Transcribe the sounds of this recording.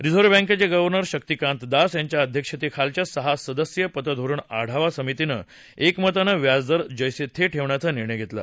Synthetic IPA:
ɾid͡zʱoɾbɛ̃ŋket͡seɡəʋəɾnəɾɕək̚t̪ikãnt̪d̪asjaɲt͡ɕjaəd̪ʱjəkʂət̪ekʰalt͡ɕjasəɦasəd̪əsjəpət̪əd̪ʱoɾuːɳa̰ɽ̤aʋasəmit̪inə̰ | ekmət̪anəʋjad͡zd̪əɾd͡ʑəjset̪ʰeʈʰeʋɳjat͡səniɾɳəjɡʱet̪la̰

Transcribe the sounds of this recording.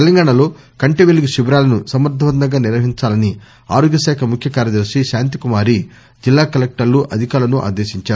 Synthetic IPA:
t̪elɐŋɡaːɳɐlo̞ː | kɐɳʈeʋeluɡuʃibɾaːlɐnusɐmɐɾd̪ʱɐʋɐd̪nɐɡaːniɾʋɐɦiɲt͡ʃaːlɐni | a̰ːɾoːɡjɐʃɛːkʰɐmukʰjɐkaːɾjɐd̪ɐɾʂiʃaːnt̪̬ikumaːɾi | d͡ʒilːaːkɐlek̚ʈɐɾluʔɐd̪ʱikaːɾɭlɐnuʔa̰ːd̪eːʃiɲt͡ʃaːɾu

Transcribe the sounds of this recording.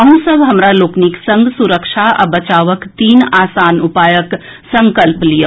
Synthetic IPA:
əɦũsəbʱɦɐmɾaloːkniksə̃ŋɡsuɾəkʃʰaa̰bət͡ʃaːʋəkt̪iːnaːsaːnupaːjək | səŋkəlplijə

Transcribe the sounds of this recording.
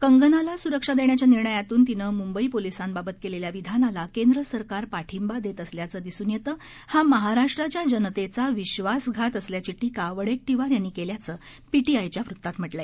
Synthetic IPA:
kəŋɡənalasuɾəkʂad̪eɳjat͡ɕjaniɾɳəjat̪uːnt̪inəmumbəipolisanbabət̪keleljaʋid̪ʱanalakend̪ɾəsəɾkaɾpaʈʰimbad̪et̪əsljat͡səːd̪isuːnjet̪əː | haməɦaɾaʂʈɾat͡ɕjad͡ʑənt̪et͡saʋiɕʋasɡʱat̪əsljat͡ɕiʈikaʋəɽek̚ʈiʋaɾjanːikeljat͡səː | piʈiajt͡ɕjafɾut̪ːat̪m̤əʈlae

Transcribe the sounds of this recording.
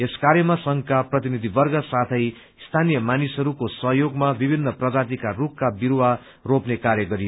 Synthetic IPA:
eskaɾjʌmasʌŋkaprʌt̪inid̪ʱibʌrɡʌsat̪ʰʌj | st̪ʰanijʌmanisɦʌɾukosʌɦjoɡmabibʱinːʌprʌd͡zat̪̬ikarukkabiɾwa | ropnekaɾjʌɡʌɾio

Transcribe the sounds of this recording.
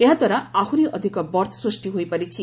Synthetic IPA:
eɦãt̪ʌɾaahʰuɾiʔʌd̪ʱikʌbʌrt̪ʰsrusʈiɦojpʌɾit͡sʰi

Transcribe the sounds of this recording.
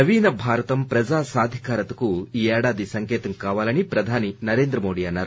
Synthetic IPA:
ɐʋiːnɐbʱaːɾɐt̪ɐmpɾɐd͡ʒaːsaːd̪ʱikaːɾɐt̪ɐkuiːɛːɽaːd̪isɐŋkɛːt̪ɐŋkaːʋaːlɐnipɾɐd̪ʱaːninɐɾeːnd̪ɾɐmo̞ːɽiːɐnːaːɾu

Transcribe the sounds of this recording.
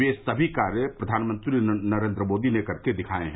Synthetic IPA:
esɐbʱikaːɾjəpɾɐd̪ʱaːnmə̃nt̪ɾinɐɾẽːnd̪ɾəmoːd̪inekɐɾked̪ɪkʰaːẽɦɛ̃

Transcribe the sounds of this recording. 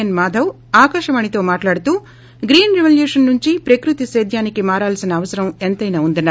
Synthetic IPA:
ɐnmaːd̪ʱɐw | aːkɐʂɐmɐnit̪o̞ːmaːʈlaːɽut̪uː | ɡɾiːnɾiʋɐljuːʂɐnːuɲt͡ʃipɾɐkɾut̪iseːd̪ʱjaːnikimaːɾaːlsinɐːʋɐsɐɾɐment̪ɐjnaːund̪unːa

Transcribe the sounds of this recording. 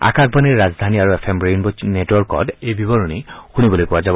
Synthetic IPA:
a̰kak̚baniɹːazd̪ʱaniaɹuepʰemɹejnbɔnetwɔɹkɔ̰dejbibɔɹunixunibɔlojpʊwazabɔ

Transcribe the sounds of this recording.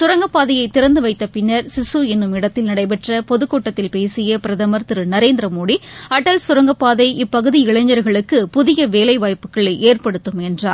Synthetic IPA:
sʊɾɐŋɡɐpːaːðɐjɐɪt̪ːɪɾɐnd̪ɯʋɐɪt̪ːɐpɪnːɐɾsɪsuɪnːɯmɪɽɐt̪ːɪlnɪɽɐɪp̬ɛʈrɐpɔðɯkːoːʈːɐt̪ːɪlpeːsɪjɐpɪɾɐðɐmɐɾt̪ɯɾɯnɐɾeːnd̪ɪɾɐmoːɽiɐʈːɐlsʊɾɐŋɡɐpːaːðɐɪʔɪpːɐɣɯðiɪɭɐɲɐɾɣɐɭɯkːɯpʊðɪjɐʋeːlɐɪʋaːjpːɯkːɐɭɐeːrpɐɽɯt̪ːɯmɛndra̰ː

